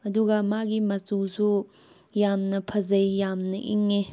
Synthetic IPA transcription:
ɐduɡɐmaɡimɐsusu | jamnɐpʰɐzɐjjamnɐʔḭŋe

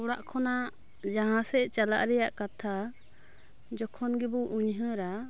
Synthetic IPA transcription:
ɔɽa̰ʔkʰɔna | d͡ʒaɦãsɛʔt͡ʃala̰ʔɾɛjaʔkat̪ʰa | d͡ʒɔkʰɔnɡɛbɔʔuɲɦə̃ɾa

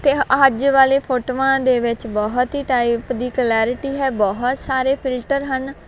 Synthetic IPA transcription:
t̪eːɦəd͡ʒʋaːleːpʰoːʈoːãːd̪eːʋɪt͡ʃbɔːɦt̪ɦiːʈaːipd̪iːklɛːɾɪʈiːɦɛːbɔɦt̪saːɾeːpʰɪlʈəɾɦən

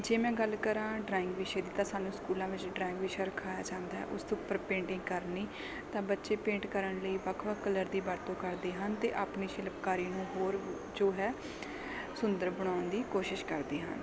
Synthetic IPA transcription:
d͡ʒeːmɛ̃ːɡəlːkəɾãːɖɾaːɪ̃ŋɡʋɪʃeːd̪iːt̪ãːsaːnũːskuːlãːʋɪt͡ʃɖɾaːɪ̃ŋɡʋɪʃəɾəkʰːaːjaːd͡ʒãːnd̪aːɛ̰ːʔʊst̪õpːəɾpẽːɳʈɪ̃ŋɡkəɾniː | t̪ãːbətːʃeːpẽːɳʈkəɾəɳləiːʋəkʰʋəkkːələɾd̪iːbəɾt̪õːkəɾd̪eːɦənt̪ḛːʔaːpniːʃələpkaːɾiːnũːɦoːɾ | d͡ʒoːɦɛː | sʊnd̪əɾbəɽ̃aːʊnd̪iːkoːʃɪʃkəɾd̪eːɦə̰n

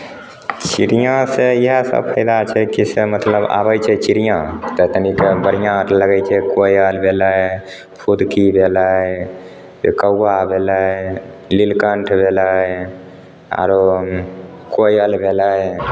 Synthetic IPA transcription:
t͡ʃḭɾijãsejəɦəsə̰bpʰəɪd̪at͡ʃʰɛkisemət̪ləba̰bət͡ʃʰɛt͡ʃiɾijãt̪ət̪ənikebəɾ̤ijãtʰləɡɛjt͡ʃʰɛkojəlbʱelə | pʰud̪kibʱelə | ḛkəwwabelə | lilkəɳʈʰbʱelə | a̰ɾo | kojəlbʱelə

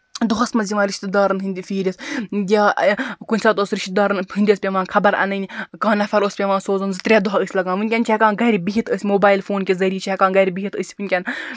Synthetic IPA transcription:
d̪oɦɐsmɐzʲiʋãːɾiʃt̪d̪aːɾɨnɦɨnd̪ifiːɾʲɐsd̪ʲaːkunʲsat̪oːsɾiʃt̪̚d̪aːɾɨnɦɨnd̪iɐsʲpʲeʋãːnkʰɐbɐɾɐ̰nɐnʲkãːnɐfɐɾoːspʲeʋaːnsoːzonzɨt̪ɾʲɐd̪oɦaːəsʲlɐɡãːnʋɨnʲkʲɐnʲt͡ʃʰakaːnɡɐɾʲibiɦit̪ʰəsʲmoːbaːjlfoːnkʲezɐɾiːt͡ʃʰakãːnɡɐɾʲibiɦit̪əsʲʋɨnʲkʲɐn

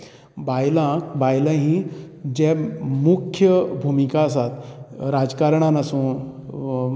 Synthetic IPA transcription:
bajlãkbajlə̃ɦĩ | d͡ʑɛmukʰjəbʱumikaəsat̪ɾad͡zkaɾɳ̃ãnasũ

